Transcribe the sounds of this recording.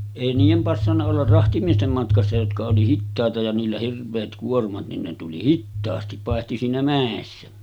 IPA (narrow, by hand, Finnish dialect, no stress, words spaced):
eˑi niːjem pɑsːɑnːɑ olːɑr rɑhtimiestem mɑtkɑsːɑ jotkɑ oli hitːɑˑetɑ jɑ niːlːæ hirʋˑeːt kuormɑt nin ne tuli hitːɑːsti pɑˑehti siːnæ mæˑesːæ